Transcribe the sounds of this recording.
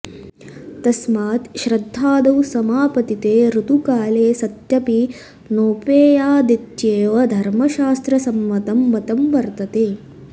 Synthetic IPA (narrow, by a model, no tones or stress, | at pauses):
t̪ɐsmaːt̪ʃɾɐd̪ʱːaːd̪ɐwsɐmaːpɐt̪it̪eːɾut̪ukaːleːsɐt̪jɐpi | noːpeːjaːd̪it̪jeːʋɐd̪ʱɐɾmɐʃaːst̪ɾɐsɐmʋɐt̪ɐmʋɐt̪ɐmʋɐɾt̪ɐt̪eː